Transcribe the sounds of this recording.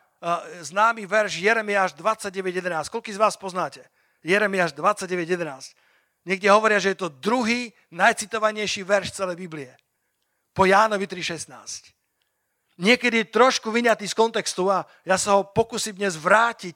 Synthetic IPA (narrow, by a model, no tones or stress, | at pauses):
znaːmiʋɛɾʃjɛɾɛmiaːʒd̪ʋat͡sːaɟ̚ːɛʋɛɟjɛd̪ɛnaːsc̚kɔlkiːzʋaːspɔznaːcɛ | jɛɾɛmiaːʒd̪ʋat͡sːaɟːɛʋɛɟjɛd̪ɛnaːsc | ɲɛɡɟɛɦɔʋɔɾɪaʒɛjɛt̪ɔd̪ɾuɦiː | najt͡sit̪ɔʋaɲɛjʃiʋɛɾʃt͡sɛlɛjbibliɛ | pɔjaːnɔʋit̪ɾiʃɛsnaːsc | ɲɪɛkɛd̪ijɛt̪ɾɔʃkuʋiɲat̪iːskɔnt̪ɛkst̪ua | jasaɦɔpɔkuːsimd̪ɲɛzʋɾaːcic